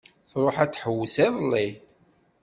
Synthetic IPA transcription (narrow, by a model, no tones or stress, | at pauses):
θɾˤoħæt͡sːħəwːəsæðˤlːi